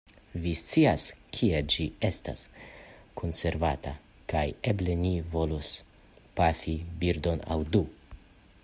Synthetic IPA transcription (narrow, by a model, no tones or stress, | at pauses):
vist͡siaskʰied͡ʒie̞sta̰skʰo̞nse̞ɾvata | kaje̞ble̞nivo̞los | pafibiɾdo̞na̰wdu